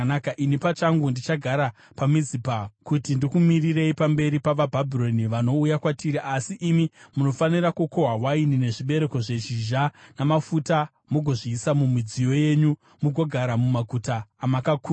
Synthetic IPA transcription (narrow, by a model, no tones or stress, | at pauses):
akaʔinipat͡ʃaŋɡundit͡ʃaɡʱaɾa | pamid͡zipakutindikumirire̞ipambe̞ɾipaʋabʱabʱiro̞niʋano̞ujakwatiːɾiʔasiʔimimuno̞fanirakukoɦawainine̞ʐiɓe̞ɾe̞ko̞ʐe̞ʒiʒanamafuta | moɡʱo̞ʐiːsamumid͡zijo̞je̞ɲu | muɡʱo̞ɡʱaɾamumaɡʱutaːmakakuː